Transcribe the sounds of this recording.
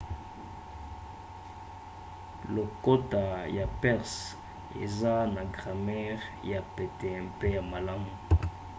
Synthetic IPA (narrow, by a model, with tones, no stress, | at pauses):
lo˨ko˦ta˨ja˨pɛ˦ʁs | ḛ˨za˦na˨ɡʁa˨mɛ˦ʁja˨pe˨tɛ˨pe˦ja˨ma˨la˦mu˨